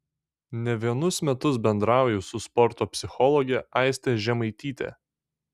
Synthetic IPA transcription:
nʲɛʋʲiɛnʊsmʲɛt̪ʊs̬bʲɛnd̪ɾɑˑʊjɛsʊspɔɾt̪oːpʲsʲɪxɔlˠɔɡʲɛʔɑˑɪsʲt̪ʲeʒʲɛmɐɪt̪ʲiːt̪ʲḛː

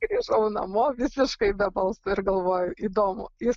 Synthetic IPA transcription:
ɡɾʲiːʒɐʊnɐ̰moːʋʲɪsʲɪʃkɐɪbʲɛbɐlˠsʊɪɾɡɐlˠʋoːjʊʔiːd̪oːmʊ̰jɪ

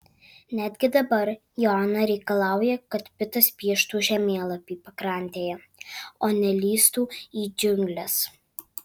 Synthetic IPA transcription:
nʲæd̪ʲɡʲɪd̪ɐbɐɾ | jɔːnɐɾʲɛɪkɐlˠɑˑʊjɛkɐt̪pʲɪt̪ɐspʲiɛʃt̪uːʒʲɛmʲeːlˠɐpʲiːpɐkɾɑˑnʲt̪ʲeːjɛ | oːnʲɛlʲiːst̪uːiːd͡ʒʲʊŋʲɡlʲɛs

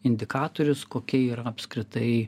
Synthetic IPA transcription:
ɪnʲd̪ʲɪkɑːt̪oːɾʲʊskoːkʲɛiːɾɐɐpskɾʲɪt̪ɐɪ

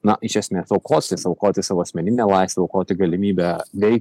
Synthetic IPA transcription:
nɐʔɪʃʲɐsʲmʲeːsɐʊkʰoːt̪ʲɪsɐʊkoːt̪ʲɪsɑʋoːɐsʲmʲɛnʲɪnʲeːlˠɑɪst̪ʲʋʲɛɐʊkoːt̪ʲɪɡɐlʲɪmʲiːbʲɛʋʲɛɪ

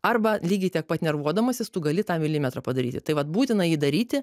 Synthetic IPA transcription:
ɐrbɐlʲiːɡʲɪtʲiɛk̚pɐt̪nʲɛrʋuɔd̪ɐmɐsʲɪst̪uːɡɐlʲɪt̪ɑːmʲɪlʲiːmʲɛt̪ɾɑpɐd̪ɐɾʲḭːt̪ʲɪt̪ɐɪʋɐt̪̚buːt̪ʲɪnɐjiːd̪ɐɾʲiːt̪ʲɪ

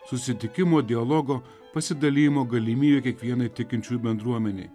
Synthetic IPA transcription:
sʊsʲɪt̪ʲɪkʲɪmoːd̪ʲɪɐlˠɔɡoː | pɐsʲɪd̪ɐlʲiːjɪmoːɡɐlʲimʲiːbʲeːkʲiɛkʋʲiɛnɐɪt̪ʲɪkʲɪnʲt͡ʃʲuːjbʲɛnd̪ɾuɔmʲɛnʲɛɪ

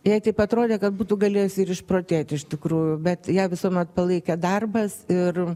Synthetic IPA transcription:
jɛɪt̪ɐɪpɐt̪ɾoːd̪ʲeːkɐt̪̚buːt̪ʊɡɐlʲeːjʊsʲɪɪɾɪʃpɾoːt̪ʲeːt̪ʲɪʃʲt̪ʲɪkɾuːjʊbʲɛt̪jæːʋʲɪsuɔmʲɛt̪̚pɐlˠɐɪkʲɛd̪ɐrbɐsɪr

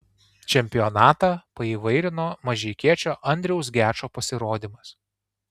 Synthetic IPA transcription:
t͡ʃʲɛmʲpʲɪjonɑːt̪ɑpɐiːʋɐɪɾʲɪnoːmɐʒʲɛɪkʲiɛt͡ʃʲoːʔɐnʲd̪ʲɾʲɛʊsɡʲæːt͡ʃoːpɐsʲɪɾoːd̪ʲimɐs

